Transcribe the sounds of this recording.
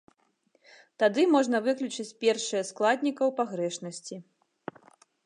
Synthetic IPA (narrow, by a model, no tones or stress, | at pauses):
t̪ad̪ɨmɔʐnɐvɨklʲut͡ʂɨt͡sʲpʲɛrʂɨjɐsklˠad̪ʲnʲikɐwpaɣɾɛʂnɐsʲt͡sʲi